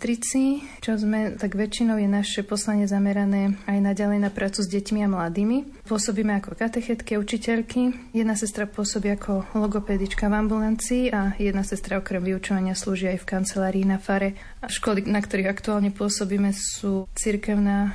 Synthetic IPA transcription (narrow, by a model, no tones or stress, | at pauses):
t̪ɾit͡si | t͡ʃɔzmɛt̪aɡʋɛt͡ʃːinɔʊjɛnaʃɛpɔslaɲɪɛzamɛɾanɛːajnaɟalɛjnapɾʔaːt͡suzɟɛcmiamlad̪iːmi | pʊɔsɔbiːmɛakɔkat̪ɛxɛt̪kiaut͡ʃicɛʎkʰijɛd̪nasɛst̪ɾapʊɔsɔbiːakʰɔlɔɡɔpɛːd̪it͡ʃkavambulant͡siːajɛd̪nasɛst̪ɾaɔkɾɛmʋiut͡ʃɔʋaɲɪasluːʒiajfkant͡sɛlaːɾiːnafaɾɛ | ʃkɔlinakt̪ɔɾiːɣakt̪uaːlɲɛpʊɔsɔbiːmɛsuːt͡siɾkɛʊnaː